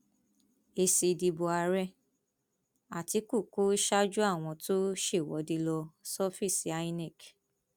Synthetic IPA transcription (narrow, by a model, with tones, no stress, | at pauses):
e˧si˧di˧bo˧a˧ɾɛ˦ | a˨ti˧˦ku˦˨ku˦i˦ʃa˦d͡ʒu˦a˦˨w̃ɔ̃˧to˦ʃe˦˨wɔ̰˨˦di˧lɔ˧sɔ˦fi˦˨si˨˦a˦i˦nɛ˦˨k